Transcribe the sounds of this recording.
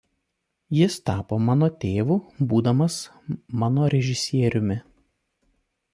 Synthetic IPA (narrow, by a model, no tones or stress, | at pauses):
jɪst̪ɑːpoːmɑːnoːt̪ʲeːʋuːbuːd̪ɐmɐs | mɑːnoːɾʲɛʒʲɪsʲiɛɾʲʊmʲɪ